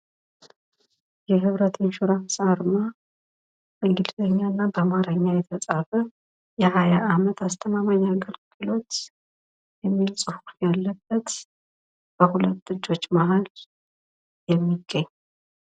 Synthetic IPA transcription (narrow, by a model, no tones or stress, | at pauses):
jɛɦɨβɾət̪ʰenʃuɾafsʼaɾɨma | ʔɨŋɡɨlzəɲːanːabəmaɾəɲːajɛt̪ʰəsʼafə | jɛhajaʔamət̪ʰast̪ʰəmamaɲːaɡəlɡ̥ɨlo̞t̪ | jɛmːilsʼɨhuɾjalːəb̥ːət̪ | b̥əhulət̪ːɨd͡ʒːo̞t͡ʃːmaɦal | jɛmːiɡːəɲː